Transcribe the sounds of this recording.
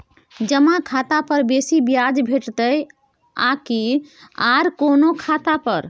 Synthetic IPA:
d͡ʒəmãkʰat̪apəɾbesibjad͡ʒbʱeʈt̪əj | a̰kiaɾkonokʰat̪apəɾ

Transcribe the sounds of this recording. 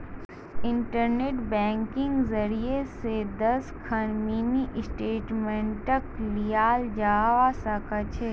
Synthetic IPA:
ɪ̃ɳʈəɾneːʈbɛ̃ːŋkɪ̃ŋɡzɐɾiesed̪ɐskʰɐnminiʔɪsʈeːʈmẽɳʈɐklijaːld͡ʒaːʋasakɐt͡ʃʰeː

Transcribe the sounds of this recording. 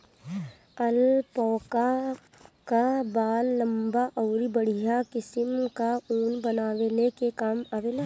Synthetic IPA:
əlpɔːka | kabaːlːəmbaʔɔːɾibəɽ̤ijakɪsəmkauːnbənaːʋelekekaːmaːʋela

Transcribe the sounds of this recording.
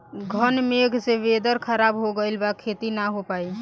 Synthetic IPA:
ɡʱənmeɡʱseʋed̪əɾkʰəɾabɦoɡəlbakʰːet̪inaɦopai

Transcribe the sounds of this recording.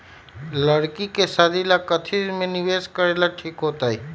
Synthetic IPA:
ləɽkikesad̪ilakɐt̪ʰimẽnɪʋeːskəɾeːlaʈʰiːkɦoːt̪aːɦiː

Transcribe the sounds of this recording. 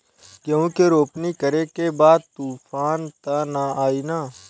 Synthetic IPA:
kjɐũːkeɾoːpnikəɾekebaːd̪̚t̪uːfʰaːnt̪anaaːinaː

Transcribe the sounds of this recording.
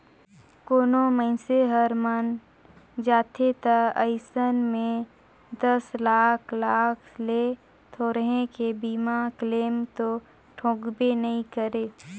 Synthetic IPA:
koːnoməɪ̃seɦəɾmən | d͡ʒaːt̪ʰet̪əəɪsənmẽ | d̪əslaːkʰlaːkʰle | t̪ʰoɾəɦẽkebiːmakleːmt̪o | ʈʰõːɡbenɐɦĩkəɾeː

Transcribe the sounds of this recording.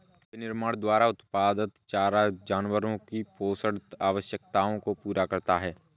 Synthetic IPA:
nɪɾmaːɽd̪waːɾaʊt̪paːd̪ət̪t͡ʃaːɾad͡ʒaːnwəɾõkipoːsəɽt̪aːʋəʃjəkt̪aːõkopuːɾakɐɾt̪aɦɛː

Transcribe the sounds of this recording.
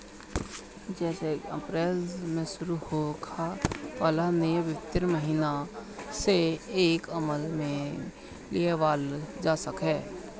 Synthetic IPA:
d͡ʒɛːsekə̰pɾeːlmẽsʊɾuhokʰapaːlanejəʋɪɪt̪ːɪɾməɦiːnaseeːkəməlmẽ | lieʋaːld͡ʒaːsəkɦɛː

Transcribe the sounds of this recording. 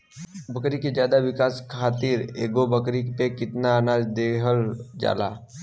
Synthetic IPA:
bəkɾiked͡ʒjaːd̪awɪkaːskʰaːt̪ɪɾḛːɡobəkɾipekɪt̪nanaːd̪eɦəld͡ʒa̰ːla̰ː

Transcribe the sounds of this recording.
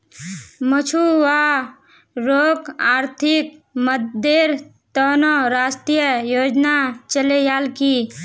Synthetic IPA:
mət͡ʃʰuwa | ɾokaɾt̪ʰik̚məd̪eɾ | t̪ənɔɾaːsʈɾijəjoːd͡ʒnat͡ʃəlejalki

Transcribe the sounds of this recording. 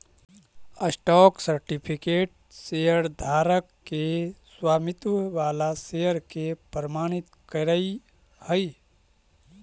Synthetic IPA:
əsʈɔːksəɾʈipʰikeːʈ̚ | seəɾd̪ʱaːɾəkːeswaːmit̪wəʋaːlasejəɾkepɾəmaːɽ̃it̪kəɾəi | həj

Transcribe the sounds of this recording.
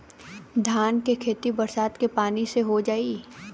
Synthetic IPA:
d̪ʱaːnkekʰeːt̪ibɐɾsaːt̪kepaːniseɦod͡ʒaːi

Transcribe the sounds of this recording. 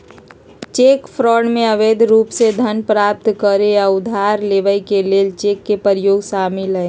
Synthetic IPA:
t͡ʃekpʰɾɔːɳmẽəʋed̪ʱɾuːpsed̪ʱənpɾaːp̚t̪kəɾeaʊd̪ʱaɾleːʋəjkeleːlt͡ʃeːkːepəɾjoːɡsamilɦəe

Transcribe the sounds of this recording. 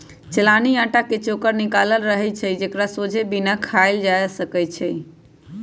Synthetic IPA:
t͡ʃelaniãʈaket͡ʃoːkəɾnikaləlɾəɦɛt͡ʃʰɛd͡ʒekɾasod͡ʒʱebinakʰaɪld͡ʒajsəkət͡ʃʰɛ

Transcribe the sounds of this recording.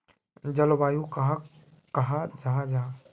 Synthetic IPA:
d͡ʒəlbaːjũkɦ | kɐɦad͡ʒaːɦd͡ʒaː

